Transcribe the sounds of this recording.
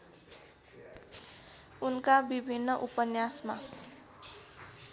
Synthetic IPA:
unkabibʱinːʌʔupʌnjasma

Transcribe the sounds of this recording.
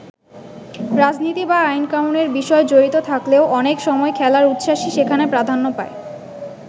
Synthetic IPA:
ɾad͡ʑnit̪ibaajnkamuneɾbiʃɔed͡ʑoɾit̪ot̪ʰakleoʔɔnekʃɔmɔekʰɛlaɾut̪ʃaʃiʃekʰanepɾad̪ʱanːopae

